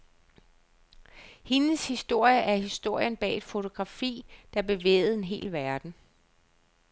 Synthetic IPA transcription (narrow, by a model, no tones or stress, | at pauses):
he̝nəshisd̥o̝ɐ̰jəʔæɐhisd̥o̝ɐ̰jənb̥ɛ̰ːd̥fo̝t͡sʰo̝ɡ̥ʁɑ̈fḭːd̥ɑ̈b̥e̝ʋḛːð̩ˠe̝nɦe̝̰ːlʋæɐd̥n̩